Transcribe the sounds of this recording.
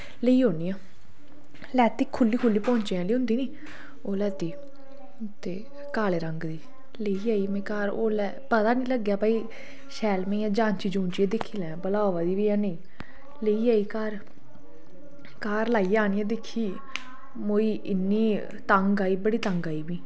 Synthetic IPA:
ləiːɦoːniːãː | lɛːt̪iːkʰʊlːiːkʰʊlːiːpɔ̃ːɲt͡ʃeːãːliːɦʊ̃nd̪iːniː | oːlɛːt̪iː | t̪eː | kaːleːɾəŋɡd̪iː | ləiːaːiːmɛ̃ːkaːɾo̰ːlɛːpət̪aːnĩːləɡjaːpaːiː | ʃɛːlmẽːãːd͡ʒãːnt͡ʃiːd͡ʒũːnt͡ʃiːeːd̪ɪkʰːiːlɛ̃ːbəlaːʋaːd̪iːʋiːãːneː | ləiːaːiːkaːɾ | kaːɾlaːiːaːniːãːd̪ɪkʰːiː | moːiːɪnːiː | t̪əŋɡaːiːbəɽiːt̪əŋɡaːiːbiː

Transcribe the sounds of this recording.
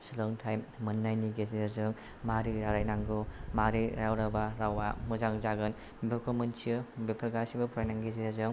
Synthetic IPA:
sɯlɯŋtʰaj | mɯnːajniɡezeɾzɯŋ | maɾiɾaɾajnaŋɡumaɾiɾa̰jawɾabaɾawamuzaŋzaɡɯn | bekʰɔmɯnsiɯbipʰɐɾɡasibapʰɾajnaŋɡezezɯŋ

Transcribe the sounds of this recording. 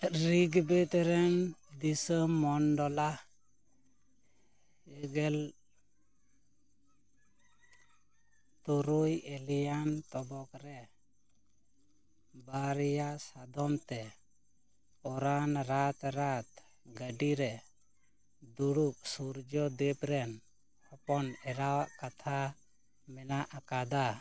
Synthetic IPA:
ɾiɡbɛt̪ɛɾɛnd̪isəmːɔnɖɔla | ɛɡɛl | t̪uɾujɛlɛjant̪ɔbɔkɾɛ | baɾɛjasad̪ɔmt̪ɛ | ɔɾanɾat̪ɾat̪ | ɡəɖiɾɛ | d̪uɽuk̚suɾd͡ʒɔd̪ɛpɾɛn | hɔpɔnɛɾawaʔkat̪ʰa | mɛnaʔakad̪a

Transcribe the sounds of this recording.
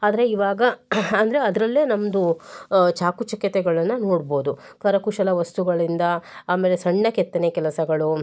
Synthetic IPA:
aːd̪ɐɾeiʋaːɡɐɐnd̪ɐɾeɐd̪ɐɾɐlːeːnɐmːɐd̪ut͡ʃaːkut͡ʃɐkjɐt̪ɛɡɐɭɐnːɐno̞ːɽbo̞ːd̪u | kɐɾɐkuʃɐlɐʋɐst̪uɡɐɭind̪ɐaːme̞ːlesɐɳːɐkɛt̪ːɐnekɛlɐsɐɡɐɭu

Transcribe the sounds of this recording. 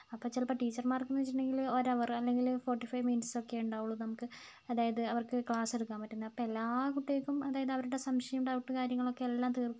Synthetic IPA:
ɐpːoːt͡ɕelpɐʈːiːt͡ɕːɐrmaːrkːumnːɨʋit͡ɕːiʈːuɳɖeŋɡilo̞ɾɐʋɐrɐlːe̞ŋɡilfo̞ːrʈːifɐjʋminso̞kːe̞uɳɖaːʋuɭːunɐmukːɨ | ɐðaːjɐðɨɐʋɐrkɨkɭaːse̞ɽukːaːmpɐtːunːɐðɐpːoelːaːkuʈːiekːumɐðaːjɐðɨɐʋɐɾuɽe̞sɐmɕɐjɐmɽɐʋuʈːɨkaːɾjɐŋːɐɭo̞kːe̞elːaːmt̪iːrkːu

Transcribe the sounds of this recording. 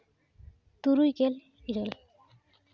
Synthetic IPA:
t̪uɾujkel | iɾel

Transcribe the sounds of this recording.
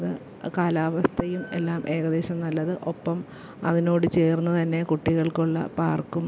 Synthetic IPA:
ðɨ | kaːlaːʋɐst̪ʰɐjume̞̰lːaːmʔe̞ːɣɐðe̞ːɕɐmnɐlːɐðɨʔo̞pːɐm | ɐ̰ðino̞ːɽɨt͡ɕe̞ːrunːɐt̪ɐnːe̞kuʈːiɣɐɭkuɭːɐ̰paːrkːum

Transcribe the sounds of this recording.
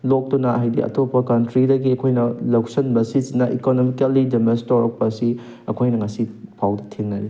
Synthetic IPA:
lok̚tunɐajdiʔɐ̰topɐkɐntɾidɐɡiɐkʰojnɐlɐksɐnbɐsizinːɐʔikonomikɐlidemestoɾɐk̚pɐsi | ɐkʰojnɐŋɐsipʰawdɐtʰenːɐɾi

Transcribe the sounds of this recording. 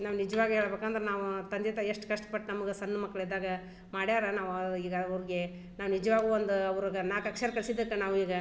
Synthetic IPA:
naːʋunid͡ʒɐʋaːɡɦeːɭɐbeːkaːnd̪ɐɾenaːʋut̪ɐnd̪it̪ɐeʂʈkɐʂʈɐ̥pɐʈːnɐmɐɡesɐnːɐmɐkːɐɭid̪ːaːɡɐ | maːɽjaːɾɐnaːʋiːɡɐɐʋɾiɡe̞ | naːʋunid͡ʒɐʋaːɡuʋond̪uɐʋɐɾuɡɐnaːkɐkʂɐɾɐkɐɭsid̪ɐkːɐnaːʋiːɡɐ

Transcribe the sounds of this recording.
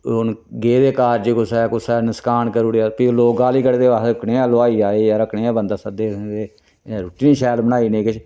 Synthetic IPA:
on | ɡeːd̪eːkaːɾd͡ʒiːkʊsaːkʊsaːnəskaːnkəɾuːɽaːpiloːɡaːliːkəɽeːd̪eːʋaəkɽeːãːloaːiːaːeːjaːɾəkɳeːãːbənd̪aːsəd̪eːd̪eː | ɾoʈiːnʃɛːlbənaːiːnẽːkɪt͡ʃʰ

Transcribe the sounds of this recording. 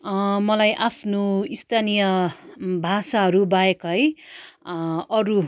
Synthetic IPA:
mʌlajʔapʰnoist̪ʰanijʌbʱasaɦʌɾubaekʌɦʌj | ʌɾu

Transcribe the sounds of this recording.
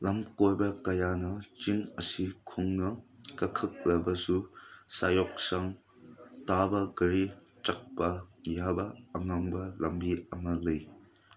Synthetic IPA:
lɐmkojbɐkɐjanɐt͡ʃiŋɐsikʰuŋnɐkɐkʰɯk̚lɐbɐsusajɔk̚saŋ | tabɐɡɐɾi | t͡ʃak̚pɐjabɐːŋaŋbɐlɐmbiɐŋalɯj

